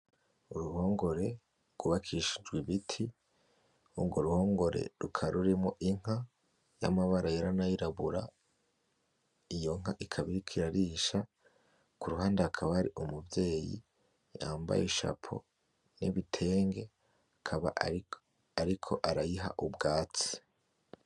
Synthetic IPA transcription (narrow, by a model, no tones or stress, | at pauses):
uɾuho̞ːŋɡo̞ɾe̞ | ɡ̥uβakʰiʃid͡ʒɡwiβitʰi | ubɡoɾuho̞ːŋɡo̞ɾe̞̰ɾukʰaɾuɾimŋoʔiŋ̥a | ja̰maβaɾajeɾanajiɾaβuɾa | ijo̞ŋ̥aʔikʰaβiɾikʰiɾaɾiːʃa | kuɾuɦaːndeakʰaβahaɾiʔumubje̞ːjḭ | ja̰ːmba̰jeʃa̰pʰo̰ | nḭβitʰe̞ːŋɡe̞ | akʰaβa̰ | aɾikʰo̞ʔaɾajiɦa̰ʔubɡaːt͡si̥